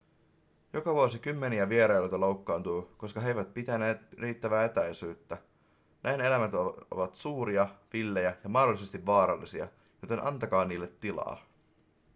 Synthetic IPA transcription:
jo̞kɑʋuosik̟ymːe̞niæʋie̞ɾɑjlot̪ɑlo̞wkːɑːnt̪uːko̞skɑɦe̞jʋæt̪̚pit̪æne̞ːt̪riːt̪ːæʋæːet̪æjsyːt̪ːæ | nʔæjne̞læmæt̪o̰ʋɑt̪suːɾiɑʋilːe̞jæjɑmɑhdo̞lːˑise̞st̪iʋːɑːɾɑlːisiɑ̰ | jot̪e̞nʔɑ̰nt̪ɑkɑːniːlːet̪ːilɑ̰ː

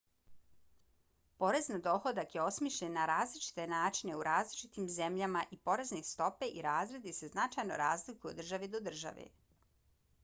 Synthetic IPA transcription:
po̞ɾe̞znad̪o̞xo̞d̪akjeo̞smiʃʎenːaɾaːzlit͡ʃi̥t̪e̞naːt͡ʃine̞uɾʔaːzlit͡ʃit̪imze̞mʎamaʔipo̞ɾe̞znist̪o̞pe̞ʔiɾaːzɾe̞d̪ise̞znat͡ʃajno̰ɾaːzlikuo̰d̪r̩ʒaʋed̪o̞d̪r̩ʒa̰ʋḛ

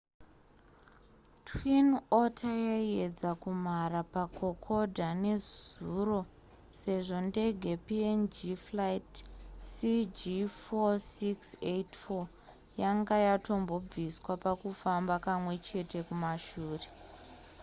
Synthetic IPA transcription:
twinotʰajae̞d͡zakum̤arapakʰo̞kʰo̞dʱane̞zuro̞ | se̞ʐo̞nde̞ɡʱe̞piend͡ʒiflajtsid͡ʒifosiksetfo | jaŋɡajato̞mbo̞b͡viswapakufambakamwe̞t͡ʃe̞te̞kumaʃuːre̞

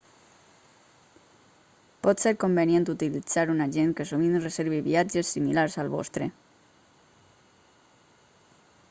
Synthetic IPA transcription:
pɔt̪seɾkombenient̪ut̪ilid͡z̥aɾunaʒeŋkesuminrezeɾβiβḭad͡ʒesːimilaɾsalˠβɔ̰st̪ɾe

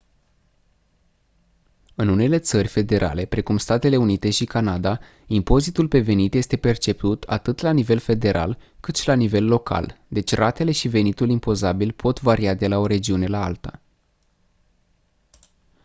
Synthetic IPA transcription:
ɨnune̞le̞t̪sərʲfe̞d̪e̞ɾʔa̰le̞pɾe̞kumst̪at̪e̞le̞unit̪e̞ʃikanad̪a | impo̞zit̪ulpe̞ve̞nit̪je̞st̪e̞pe̞rt͡ʃe̞p̚t̪ut̪ʰa̰t̪ɨt̪lanive̞lfe̞d̪e̞ɾʔa̰lkɨt̪ʃilanive̞lːo̞kʰa̰ld̪e̞t͡ʃʲrʔat̪e̞le̞ʃive̞nit̪ulimpo̞zabilpʰo̞t̪vaɾiad̪e̞lao̞ɾe̞d͡ʒiune̞laalt̪ə

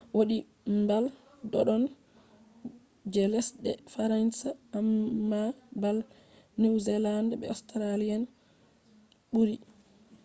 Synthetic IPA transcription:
woɗi | mbal | dɔɗɔn | d͡ʒɛlɛsdɛfaɾansaamːabal | niwzɛlandbɛ̰ɔstɾalijan | ɓuɾi

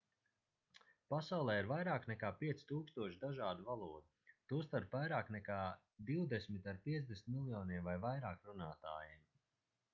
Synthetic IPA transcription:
pasawlˠɛːiɾvajɾaːknɛkaːpiɛt̪si̥t̪uːkst̪uɔʃd̪aʒaːd̪uvalˠuɔd̪ut̪uːst̪aɾpvajɾaːknɛkaː | d̪iwd̪esmit̪aɾpiɛzd̪esnt̪milˠjɔːniɛmvajvajɾaːkɾunaːt̪a̰ːjim

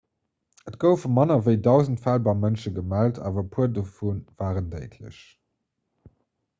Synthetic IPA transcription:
ətɡ̥əʊfumɑnɐvəɪdɑʊzən̩tfaːlbɑɪmənʃəɡəmæltʰa̰ːvɐpʰuədəfunv̥aːʁəndeɪtʰlə̰ɕ

